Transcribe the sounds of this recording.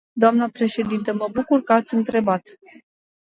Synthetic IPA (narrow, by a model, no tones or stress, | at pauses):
d̪oamnəpɾe̞ʃe̞d̪int̪əməbukurkəat̪sʲɨnt̪ɾe̞bat̪